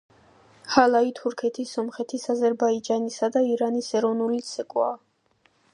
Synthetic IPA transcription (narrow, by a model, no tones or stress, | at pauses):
halˠait̪ʰuɾkʰɛt̪ʰisːɔmχɛt̪ʰisazɛɾbaid͡ʒanisad̪aiɾanisɛɾɔvnulit̪sʰɛkʼwa̰ː